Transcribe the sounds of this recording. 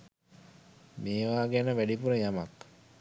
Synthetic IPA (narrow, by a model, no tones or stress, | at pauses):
meːʋaːɡænəʋæɖipuɾəjamak